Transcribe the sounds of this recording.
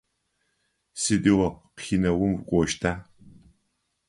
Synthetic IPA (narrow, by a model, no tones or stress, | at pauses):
sɨdʼiwɐqxinɐwʊmvkʷʼɔʃtʰaː